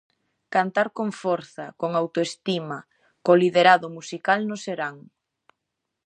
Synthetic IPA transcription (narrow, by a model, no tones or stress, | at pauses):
kant̪aɾkoɱfɔɾθɐkoŋawt̪oest̪ima | koliðeɾaðomusikalnoseɾaŋ